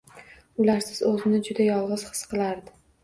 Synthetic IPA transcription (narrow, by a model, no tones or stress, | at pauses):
ʊlaɾsɪz̥ɵzɪnɪd͡ʒʊd̪ajɒlˠʁɨz̥χɨ̥sqʰɨlˠaɾd̪ɪ